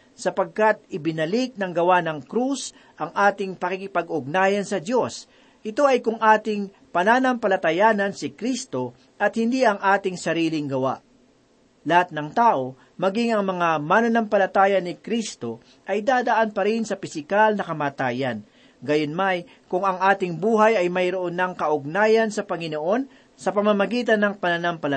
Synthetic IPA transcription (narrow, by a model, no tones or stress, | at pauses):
sɐpɐɡ̚kat̪̚ɪbɪnɐlik̚nɐŋɡɐwanɐŋkɾus | ʔɐŋʔaːt̪ɪŋpɐkikɪpɐɡʊɡ̚naːjɐnsɐd̪jo̞s | ʔɪt̪o̞ʔɐjkʊŋʔaːt̪ɪŋ | pɐnaːnɐmpɐlɐt̪ɐjaːnɐnsɪkɾist̪o̞ | ʔɐt̪̚hɪnd̪iɐŋʔaːt̪ɪŋsɐɾiːlɪŋɡɐwa̰ʔ | lɐhat̪̚nɐŋt̪aːʔo̞ | mɐɡiŋɐŋmɐŋamanɐnɐmpɐlɐt̪aːjɐnɪkɾist̪o̞ | ʔɐjd̪aːd̪ɐʔanpɐɾɪnsɐpɪsɪkalnɐkɐmaːt̪aːjɐn | ɡɐjonmaj | kʊŋɐŋʔaːt̪ɪŋbuːɦɐjɐjmɐjɾoʔonːɐŋkɐʔʊɡ̚naːjɐnsɐpɐŋɪno̞ʔo̞n | sɐpɐmamɐɡiːt̪ɐnːɐŋpɐnanampɐlɐ